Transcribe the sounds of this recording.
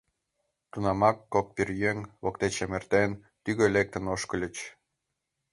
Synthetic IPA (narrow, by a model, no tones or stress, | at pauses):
t̪unɑmɑkːok̚pirjøŋʲβokt̪et͡ɕemert̪en | t̪yɣølek̚t̪ənoʃkə̆lʲə̆t͡ɕ